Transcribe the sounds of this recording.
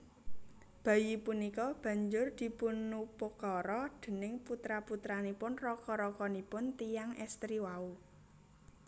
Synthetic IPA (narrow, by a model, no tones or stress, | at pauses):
b̥a̤jipunikɔb̥a̤ɲd͡ʒʊrd̪̥i̤punupokɔɾɔd̪̥e̤nɪŋput̪ɾaput̪ɾanipʊnrɔkɔɾɔkɔnipʊnt̪ijaŋɛst̪ɾiwau